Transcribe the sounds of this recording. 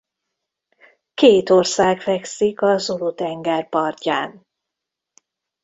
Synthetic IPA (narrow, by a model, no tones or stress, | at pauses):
keːt̪orsaːɡfɛksikɒzolut̪ɛŋɡɛrpɒrcaːn